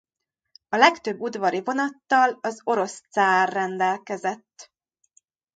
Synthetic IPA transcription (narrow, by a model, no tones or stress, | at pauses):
ɒlɛkt̪ø̞bːud̪vɒɾivo̞nɒt̪ːɒlɒzo̞ɾo̞st̪saːrːɛnd̪ɛlkɛzɛt̪ː